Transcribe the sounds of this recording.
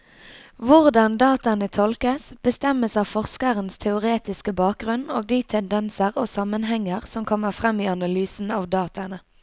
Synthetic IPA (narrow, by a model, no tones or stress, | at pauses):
ʋʊʁd̪ɑnd̪ɑːt̪ɑnət̪ʰɔlkəsb̥əst̪ɛməsɑːʋfɔʁskəʁənst̪ʰɛʊʁeːt̪ɪskəbɑːk̚ɡʁʉnoːɡ̚d̪iːt̪ʰɛnd̪ɛnsəʁoːsɑmːənɦɛŋːəʁsɔmkʰɔmːəʁfʁɛmiːɑnɑlyːsn̩ɑːʋd̪ɑːt̪ɑnə